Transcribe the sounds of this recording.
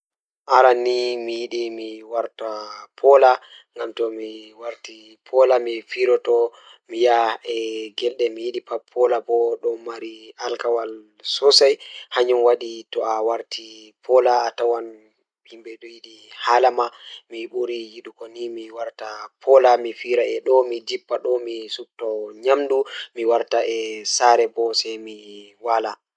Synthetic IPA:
ʔaɾanimijiɗimiwaɾtapʰɔla | ŋɡamtɔmiwaɾti | pʰɔlamifiɾɔtɔ | mijaɛɡɛlɗɛmijiɗipapʰːɔlabɔɗɔmmaɾialkawal | sɔsajhaɲunwaɗitɔʔawaɾtʰipʰɔlaːtawan | himbɛɗujiɗi | halamamiɓuɾijiɗukɔnimiwaɾtapʰɔlamifiɾaɛɗɔmid͡ʒipːaɗɔmisuk̚tɔɲamdumiwaɾtaɛsaɾɛbɔsɛjmiwala

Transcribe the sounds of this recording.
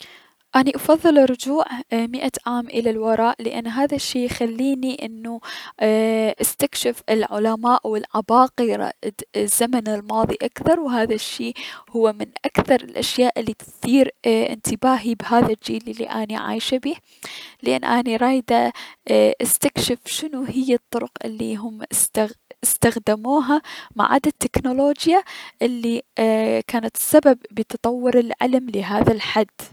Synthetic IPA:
ʔaːniʔɑfɑðˤːɨlɾˤʊd͡ʒuːʕmɪʔaʕaːmʔɪlalwɑɾˤɑːʔlɪʔa̰nːɦaːðaʃːiːjxalːiːniʔɪnːu | ʔɪst̪akʃɪfɪlʕʊlamaːʔwɪlʕabɑːqiɾˤɑ̰z̥ːamanɪlmɑːðˤiʔakθɑɾˤwɦaːðaʃːiːhʊwːamɪnʔakθɑɾˤɪlʔaʃjaːʔɪlːit̪θiːɾʔɪ̰nt̪ɪbaːɦibɦaːðad͡ʒiːlɪlːḭʔa̰ːniʕa̰ːjʃabiː | lɪʔɪ̰nːʔaːniɾˤɑːjd̪a | ʔɪst̪akʃɪfʃɪnuɦɪjːat̪ˤːʊɾʊqʔɪ̰lːḭɦʊmst̪aɪst̪axd̪amuːɦama̰ʕa̰d̪at̪ːɪknoloːd͡ʒjaʔɪlːi | kaːnat̪sːababːɪt̪ɑt̪ˤɑwːʊɾɪlʕɪ̰lmlɪɦaːðalħad̪ː

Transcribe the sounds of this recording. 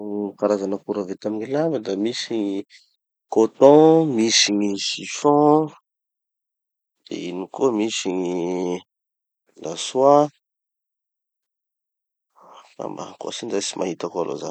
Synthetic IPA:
paɾazanəkuɾavet̪amiɲilambad̪amisiɲi | kot̪ɔ̃misiɲisifɔ̃ | d̪̥ḛinikomisiɲi | laswa | a̰mba̰ko̰sind̪asimʔaɦit̪akoalo̰za̰

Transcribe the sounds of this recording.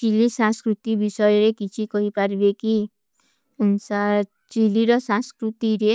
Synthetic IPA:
t͡ʃilisãskɾut̪ibisɔjɾekit͡ʃʰikɔɦipaɾbeki | nsa | t͡ʃiliɾɔsãnskɾut̪iɾe

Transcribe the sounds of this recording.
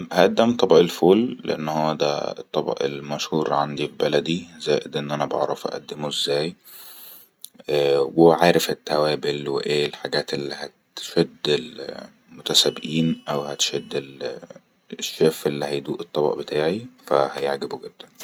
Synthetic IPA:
hæʔæd̪ːæmt̪ˤɑbʔelfoːlːḛʔḛnːhoːæd̪æ̰ḛt̪ˤːɑbɑ̰ʔḛlmæʃhuːɾʕand̪ifibælæd̪izæːʔed̪ʔenːʔænæbɑʕɾˤɑfʔæ̰ʔæ̰d̪ːemoezːæːj | ʔæweʕaːɾefet̪ːæwæːbelweʔeːlħaɡæːt̪ʔelːihæt̪ʃæd̪ːel | mot̪æsæbːʔiːnʔæwhæt̪ʃæd̪ːel | eʃːeːfʔelːihæjd̪uːʔet̪ˤːɑbɑ̰ʔbet̪ʰaːʕifæ̰hæjeʕɡeboɡed̪ːæn

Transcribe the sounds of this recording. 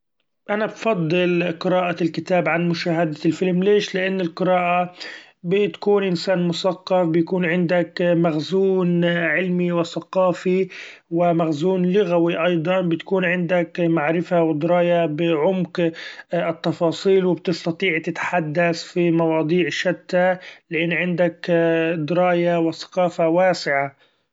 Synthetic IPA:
ʔanabfɑd̪ˤːɨlqɨɾaːʔalkɪt̪aːbʕanmʊʃaːɦad̪lfɪlmleːʃlɪʔanːɪlqɨɾaːʔa | bɪt̪ḁkuːnʔɪnsaːnmʊsaqːɑfbɪjakuːnʕɪnd̪akmaɣzuːnʕɪlmiwɪsaqɑːfiwɪmaɣzuːnlʊɣawiʔɑjd̪ˤɑnbɪt̪kuːnʕɪnd̪akmaʕɾɪfawɪd̪ɾɑːjabɪʕʊmk | ɪt̪ːɑfɑːsˤiːlwɪbt̪ɪst̪ɑt̪ˤiːʕt̪ɪt̪ħad̪ːasfimɑwɑːd̪ˤiːʕʃat̪ːalɪʔɪnːʕɪnd̪akd̪ɾˤɑːjawɪθɑ̥qɑːfawaːsɪʕa

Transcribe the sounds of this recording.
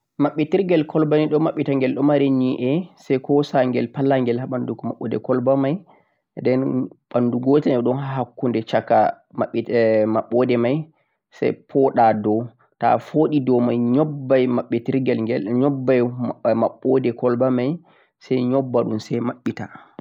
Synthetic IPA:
maɓːitiɾɡɛlkʰɔlbaniɗɔmːaɓːitaŋɡɛlɗɔmaɾeniʔɛsɛjkɔsaŋɡɛ̰lpalaŋɡɛlhaɓandukɔmaɓːɔ̰dɛ̰kɔlbamaj | dɛnɓanduɡotɛnɛɗɔnhɦakːundɛt͡ʃaka̰ | maɓmaɓːɔdɛmaj | sa̰jpʰɔɗadɔ | ta̰foɗidɔmajɲɔbbːajmaɓːɛtiɾɡɛlɡɛɲɔbːajmaɓːɔdɛkɔlbamaj | sɛjɲɔbːaɗunsɛjmaɓːita

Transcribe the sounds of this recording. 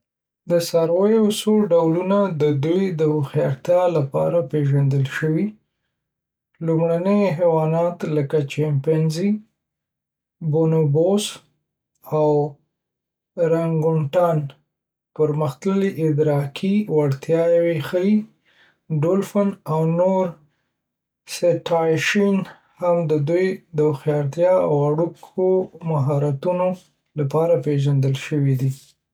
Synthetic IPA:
d̪əsɑɾwajoasoɖawlunad̪əd̪ujd̪əwoxiaɾt̪jɑlapɑ̰ɾapeʒand̪əlʃəwi | lumɽanəjɦewɑnɑt̪ləkat͡ʃampanzi | bonobos | aw | ɾaŋɡʊɳʈɑn | pəɾməxt̪ləliʔɪd̪ɾɑkʰiwaɽt̪jɑjawexəi | ɖolfanawnoɾ | seʈɑjʃin | hamd̪əd̪ujd̪əxjɑɾt̪jɑawaɽukʰomaɦɑɾat̪uno | lapɑɾapeʒand̪əlʃəwid̪i

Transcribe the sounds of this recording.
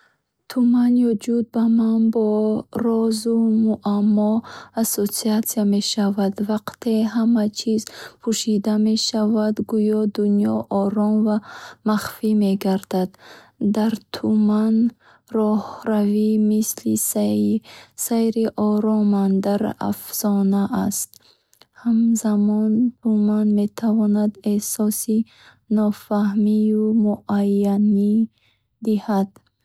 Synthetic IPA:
t̪ʰumanjɔd͡ʒud̪̚bamanbɔɾɔzumuʔamːɔasosiat̪siame̞ʃavad̪vaqt̪ʰe̞ɦamat͡ʃʰizpʰuʃid̪ame̞ʃavad̪ɡujɔd̪unjɔʔɔɾɔnvamaχfime̞ɡaɾd̪ad̪ː | aɾt̪ʰuman | rɔhɾavimislis | sejɾiʔɔɾɔmand̪aɾa̰fz̥ɔnaʔast̪ | hamzamɔnt̪ʰumanme̞t̪ʰavɔnad̪esɔsi | nɔfahmiumuʔajːani | d̪ihad̪̥

